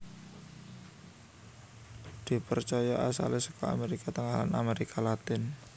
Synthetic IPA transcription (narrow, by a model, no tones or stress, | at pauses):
d̪̥i̤pərt͡ʃajaʔasa̰lɪhsɔkɔa̰meɾikat̪əŋalana̰meɾikʰalat̪ɪn